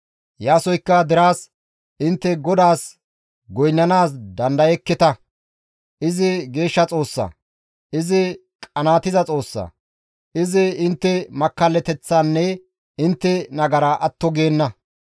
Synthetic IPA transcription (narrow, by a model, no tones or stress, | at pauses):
jaːsɔjkːɐd̪ɪɾaːs | ʔɪnt̪ːɛɡɔd̪aːs | ɡɔjnːɐnaːs̬d̪ɐnd̪ɐjɛkːɪt̪ɐ | ʔɪzɪɡe̞ːʃːɐt͡sʼo̞ːsːɐ̰ | ʔɪzɪ | kʼɐnaːt̪ɪzɐt͡sʼo̞ːsːɐ̰ | ʔɪzɪɪnt̪ːɛmɐkːɐlːɛt̪ɛt͡sːaːnːɛ | ɪnt̪ːɛnɐɡɐɾɐʔɐt̪ːɔɡeːnːɐ